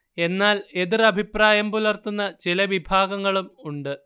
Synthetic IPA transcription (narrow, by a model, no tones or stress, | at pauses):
e̞nːaːle̞ðirɐbʱipraːjɐmpulɐrt̪unːɐt͡ɕilɐʋibʱaːɡɐŋːɐɭumuɳɖɨ